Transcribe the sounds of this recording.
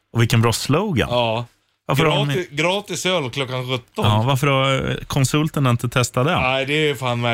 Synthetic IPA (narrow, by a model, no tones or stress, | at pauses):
ɔvɪlkːənbɾɑːsləwɡɛ̰nː | vaɾfəɾɡɾɑːt̪ɪsœlkʰlɔkːanɧɵt̪ːɔɑːvaɾfəɾakʰɔnsɵlt̪əɳɪnt̪ət̪ʰɛst̪ad̪ɛæɪd̪ɛfaːnmæ